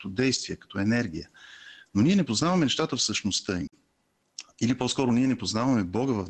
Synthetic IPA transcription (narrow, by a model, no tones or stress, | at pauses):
t̪ɔd̪ɛjst̪viəkɐ̥t̪ɔɛnɛɾɡʲijənoniɛnɛpoznavɐmɛnɛʃt̪at̪əfsəʃnost̪əi | ilipɔskɔɾʊniɛnɛpoznavɐmɛbɔɡəvɐf